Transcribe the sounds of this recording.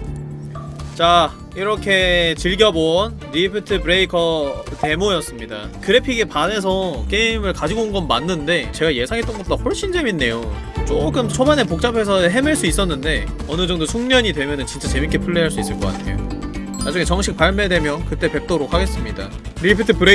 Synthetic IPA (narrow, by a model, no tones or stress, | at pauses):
t͡ɕa | iɾʌkʰe̞t͡ɕiɭɡjʌboʌn | ɾipʰitʰɯbɯɾe̞ikʰʌte̞mojʌs͈ɯmɲidakɯɾe̞pʰiɡipane̞s̬ʰʌk͈e̞imɯɭkad͡ʑiɡonɡʌnmanːɯnde̞t͡ɕe̞ɡaje̞sʰaŋɦet͈ʌnɡʌt̚t͈ohoɭɕ͈ind͡ʑeminːe̞jo | t͡ɕok͈ɯmt͡ɕʰomane̞pok̚t͡ɕ͈apʰe̞s̬ʰʌɦe̞meɭs͈uis͈ʌnːɯnde̞ | ʌnɯd͡ʑʌŋdosʰuŋɲʌɲidwe̞mjʌnɯnt͡ɕint͡ɕ͈at͡ɕe̞mikʰe̞pʰuɭːeɦaɭs͈uis͈ɯɭk͈ʌk͈atʰe̞̰jo̰ | mad͡ʑuŋe̞t͡ɕʌŋɕʰik̚paɭme̞dwe̞mjʌnkɯt͈e̞pe̞k̚t͈oɾok̚ʰaɡe̞s͈ɯmɲida̰ | ɾipʰitʰɯpɯɾe